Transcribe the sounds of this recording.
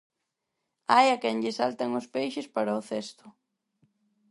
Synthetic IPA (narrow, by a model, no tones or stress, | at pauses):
ajakɛŋʎɪsalt̪aŋʊspejʃɪspaɾaʊθest̪ʊ̥